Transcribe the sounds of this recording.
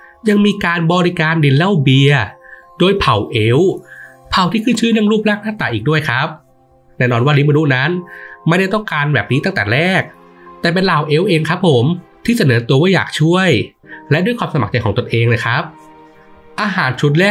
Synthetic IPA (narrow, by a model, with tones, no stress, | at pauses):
ja˧ŋmiː˧kaː˧nbɔː˧ɾi˦˧kaː˧ndi˨˩nla˥˩wbi˧ɐdoː˧jpʰa˨˩wʔe˦˥wpʰa˨˩wt̪ʰiː˥˩kʰɯː˥˩t͡ɕʰɯː˦˥˦nɯ˥˩˨ŋɾuː˥˩p̚laː˥˩k̚naː˥˩t̪aː˨˩ʔiː˨˩k̚du˥˩əjkʰɾa˦˥p̚ | nɛː˥˩nɔː˧nwaː˥˩li˦˥ma˧nu˦˥na˦˥nma˥˩jda˥˩jt̪ɔ˥˩ŋkaː˧nbɛː˨˩p̚niː˦˥t̪a˥˩ŋt̪ɛː˨˩ɾɛː˥˩k̚ | t̪ɛː˨˩pe˧nlaː˨˩wʔe˦˥wʔeː˧ŋkʰɾa˦˥pʰːo˩˦mt̪ʰiː˥˩aa˧˩nɤː˩˦t̪u˧ɐwaː˥˩ja̰ː˨˩k̚t͡ɕʰu˥˩əj | lɛ˦˥ʔdu˧˩jkʰwaː˧msa˧ma̰˨˩k̚t͡ɕa˧˩jʰkɔ˩˦ŋt̪o˧nʔeː˧ŋna˧jkʰɾa˦˥p̚ | ʔaː˧ɦaː˩˦nt͡ɕʰu˨˦t̪̚lɛː˥˩